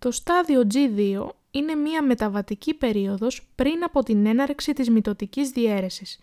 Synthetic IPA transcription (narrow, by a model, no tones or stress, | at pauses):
t̪o̞st̪ɐðio̞d͡ziðio̞̰ | ine̞miɐme̞t̪ɐvɐt̪icipe̞ɾio̞ðo̞spɾinɐpo̞t̪ine̞nɐɾksit̪izmit̪o̞t̪icizðie̞ɾe̞sis